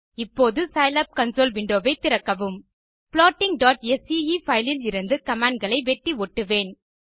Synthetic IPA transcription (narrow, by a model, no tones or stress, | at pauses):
ɪpːoːðɯsɐɪlɐp̚kɐnsoːlʋɪɳɖoːʋɐɪt̪ːɪɾɐkːɐʋɯm | pɭɔːʈːɪŋɖaːʈɛsiifɐɪlɪlɪɾɯnd̪ɯkɐmaːɳɖɡɐɭɐɪʋɛʈːiɔʈːɯʋeːn